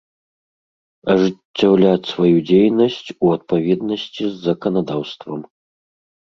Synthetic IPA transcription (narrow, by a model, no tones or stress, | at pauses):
ɐʐɨt͡sʲːawlʲat͡sʲsvajud͡zʲejnɐsʲt͡sʲuɐt̪̚pavʲɛd̪nɐsʲt͡sʲizːɐkɐnad̪awst̪vɐm